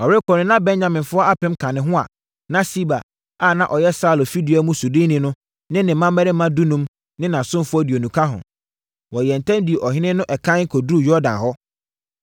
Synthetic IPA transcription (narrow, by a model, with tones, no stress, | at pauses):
ɔ˨wɾɪ˦kʰɔ˨nʊ̃˦nã˦bɛ̃˦nɲã˨mɪ̃˨nfʊ˦ɔ˦a˦pɪ̃˦m˦kʰã˨nɪ̃˨ɦʊ̃˦a̰˨ | nã˦si˦ba˨ | a˦˨nã˦ʔɔ˨jɛ˦saː˦˨lo˨fi˦di˨a˦mũ˦su˨dɪ̃˦nĩ˦nʊ̃˦ | nɪ̃˦nɪ̃˨mːã˦mɛ˦ɾɪ˦mːã˦du˦nũ˦m | nɪ̃˦nã˨sʊ̃˦m˦fʊ˦ɔ˦di˨o˨nũ˨kʰa˦ɦʊ̰̃˨ | wɔ˨jɛ˨n̩˨tʰã˦mdi˨ɛ˨ʔɔ˨ɦɪ̃˦nɪ̃˦nʊ̃˦ʔɛ˨kʰã˦kʰo˨dɾu˦˨jɔ˦dã̰˨n˨ɦɔ˦